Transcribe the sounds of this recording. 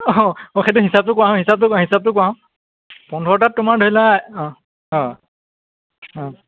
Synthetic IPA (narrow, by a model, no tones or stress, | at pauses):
ɔ̃ɔ̃xejt̬ʊɦisap̚tʊkwaɦɔ̃ɦisap̚tʊkãɦisab̚tʊkwaɦɔ̃ | pɔndʱɔɹtatʊmaɹdʱojlã | ɔ̃ | ɔ̃